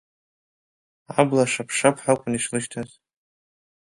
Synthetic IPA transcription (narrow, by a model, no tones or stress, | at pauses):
ablaʂapʰʂapʰħakʷʼʊniʂlɨʃtʰaz